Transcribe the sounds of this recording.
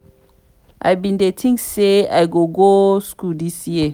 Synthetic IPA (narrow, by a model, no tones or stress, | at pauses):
ʔa̰jbĩndetʰĩŋkseajɡoɡoskudisji